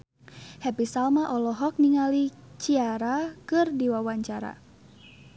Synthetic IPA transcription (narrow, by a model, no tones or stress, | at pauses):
hɛpisalmaʔɔlɔɦɔk̚niŋali | t͡ʃiaɾakɨrdiwawaɲt͡ʃaɾa̰